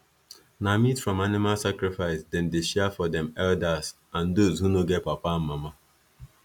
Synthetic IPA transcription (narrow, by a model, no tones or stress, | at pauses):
namitfɹɔ̃manɪmalsakɹɪfaɪsdɛ̃ndeʃɛfɔdɛ̃mɛldaz̥ | ãndozhunoɡɛt̚papamːama